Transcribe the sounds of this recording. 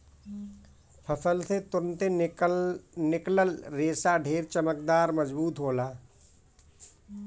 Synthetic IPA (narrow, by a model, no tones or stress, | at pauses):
pʰɐpʰəlset̪ʊɾənt̪e | nɪkləlɾeːsaɖʱeːɾt͡ʃəməkd̪aːɾmɐd͡ʒbuːt̪ɦoːlaː